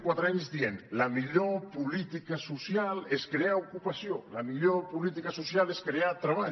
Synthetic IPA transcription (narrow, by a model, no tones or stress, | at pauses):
kwat̪ɾaɲzd̪ienlamiʎopulit̪ikasusjaleskɾeaukupasjolamiʎopulit̪̬ikasusjaleskɾeat̪ɾaβa